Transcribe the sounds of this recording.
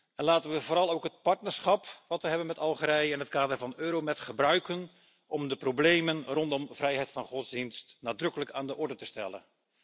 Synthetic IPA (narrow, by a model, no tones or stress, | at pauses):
ɛnlaːtənʋəvoːɾɑlˠowkɦət̚pɑɹtnəɹsχɑpʋɑtʋəɦɛbənmɛtɑlˠχəɾɛjɪnɦətkaːdərvɑnøːɾomɛtχəbrœɥkən | ʔɔmdəprowblejmənrɔndɔmvrɛjɦɛjtfɑnχɔtzdinstnaːdrɵkələkaːndəʔɔɹdətəstɛ̰lˠə̰n